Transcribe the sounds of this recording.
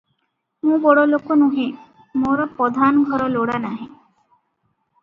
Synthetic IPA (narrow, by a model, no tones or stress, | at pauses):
mũbɔɽolokonũɦẽ | moɾɔpɔd̪ʱanɡʱɔɾɔloɽanaɦẽ